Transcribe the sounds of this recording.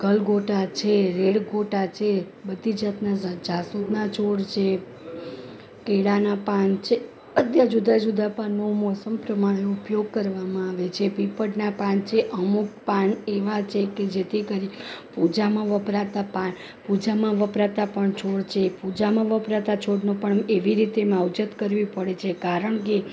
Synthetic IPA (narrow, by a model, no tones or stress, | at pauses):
ɡəlɡoʈat͡ʃʰeɾeɭɡoʈat͡ʃʰe | bəd̪ʱid͡ʒət̪nad͡ʒasud̪nat͡ʃʰoɽt͡ʃʰe | keɽanapant͡ʃʰe | ət̪jad͡ʒud̪ad͡ʒud̪apanːomɔsəmpɾəmaɽ̃eupjoɡ̚kəɾʋamãaʋet͡ʃʰepipəʈnapãnt͡ʃʰeʔəmuk̚paneʋat͡ʃʰeked͡ʒet̪ʰikəɾipud͡ʒamãʋəpɾat̪apaɳ | pud͡ʒamãʋəpɾat̪apəɳt͡ʃʰoɽt͡ʃʰepud͡ʒamãʋəpɾat̪at͡ʃʰoɽnopəɳeʋiɾit̪emawd͡ʒət̪kəɾʋipəɽet͡ʃʰekaɾəɳk̬e